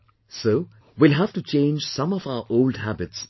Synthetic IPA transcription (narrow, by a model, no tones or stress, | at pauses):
soː | wilɦæftut͡ʃʰẽːnd͡ʒsʌ̃mɔvaʊəʔoʊldɦæbɪts